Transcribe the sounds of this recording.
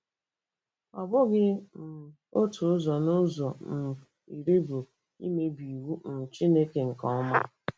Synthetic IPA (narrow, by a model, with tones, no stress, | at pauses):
ɔ˨bʊ˦ɡɪ˦n̩˨ | o˦tʰʊ˨ʊ˦zɔ˨nʊ˦zɔ˨n̩˨ | i˨ɾi˦bo˨ | ḭ˦me˦bi˨wu˦n̩˨t͡ʃi˦ne˦ke˨ŋ̩˨kɔ˦ɔ˦ma˦